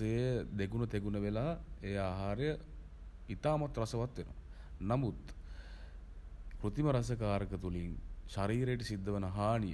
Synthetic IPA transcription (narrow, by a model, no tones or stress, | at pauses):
ejəd̪eɡunət̪eɡunəʋelaːejaːɦaːɾəjə | it̪aːmat̪rasəʋat̪ʋeno̰ʋ | namut̪ | kɾut̪iməɾasək̬aːɾəkət̪uliŋʃaɾiːɾejʈ̬əsid̪ːəʋənəɦaːnijə̰